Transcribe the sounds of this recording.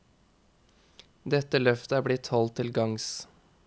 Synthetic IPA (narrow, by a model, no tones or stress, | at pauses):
d̪ɛt̪əlœft̪əæːɾblɪt̪hɔlt̪ʰːɪlɡɑŋs